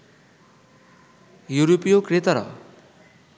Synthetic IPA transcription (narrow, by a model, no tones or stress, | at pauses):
juɾopijokret̪ʌɾʌ̰